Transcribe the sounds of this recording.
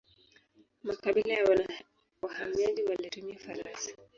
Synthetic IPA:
makaɓilajawa | wahamiad͡ʒiwaliɾuɲiafaɾansḁ

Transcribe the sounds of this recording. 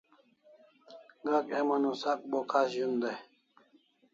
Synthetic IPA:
ɡakemɐnusak̚bokʰasʑund̪a

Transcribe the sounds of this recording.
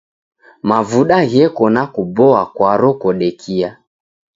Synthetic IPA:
mavuɗaɣɛkɔnakubɔakwaɾɔkɔɗɛkʰia

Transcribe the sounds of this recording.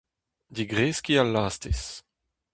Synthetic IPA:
d̪iɡʁeːskialːaːstes

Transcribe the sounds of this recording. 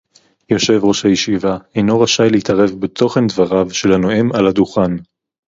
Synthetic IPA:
jo̞ʃe̞vʁo̞ʃhajeʃivaejno̞ʁaʃajleit̪ɐʁe̞vbet̪ʰo̞χe̞nd̪vaʁavʃe̞lano̞emalad̪uχan

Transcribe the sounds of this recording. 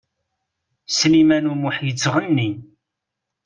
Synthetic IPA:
slimænumuħjət͡sːəʁənːi

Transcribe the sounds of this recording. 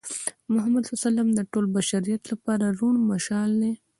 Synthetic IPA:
mʊɦamad̪sasalamd̪əʈolbaʃaɾijat̪lapɑɾaɾuɳmaʃɑld̪e

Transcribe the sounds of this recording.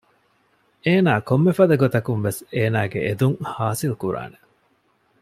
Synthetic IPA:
eːnaːkomːefɐd̪ɐɡot̪ɐkunʋeseːnaːɡḛʔed̪uŋhaːsilkuɾa̰ːne

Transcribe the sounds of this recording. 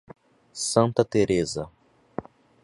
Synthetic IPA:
sɐ̃nt̪ɐt̪eɾezɐ

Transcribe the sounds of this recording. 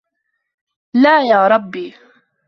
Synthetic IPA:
laːjaːɾˤɑbːiː

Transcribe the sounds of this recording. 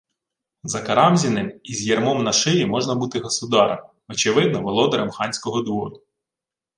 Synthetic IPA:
zɐkɐɾɑmzʲinɪmizʲjɛrmɔmnɐʃɪjimɔʒnɐbut̪ɪɦɔsʊd̪ɑɾɐ̰m | ɔt͡ʃɪʋɪd̪̚nɔʋɔlˠɔd̪ɔɾɛmxɑnʲsʲkɔɦɔd̪ʋɔd̪ʊ

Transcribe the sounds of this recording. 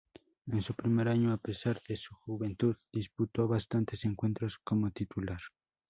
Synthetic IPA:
ensupɾimeɾaɲoapesaɾð̥esuxuβe̞nt̪uðd̪isput̪oβast̪ant̪e̞seŋkwe̞nt̪ɾoskomot̪it̪ulaɾ

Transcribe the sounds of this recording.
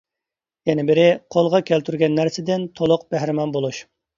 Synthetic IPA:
jɛnɪbɪɾɪqʰolˠʁɑkʲʰælt̪ʰyɾɡʲɛnːæɾsɪd̪ɪnt̪ʰolˠʊqb̥æhɾɪmɑnbolˠuʃ

